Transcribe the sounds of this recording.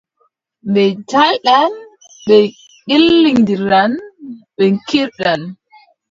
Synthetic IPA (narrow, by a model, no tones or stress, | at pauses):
mbɛtalɗan | ɓɛ | kilːiŋdiɾanɓɛŋkiɾɗan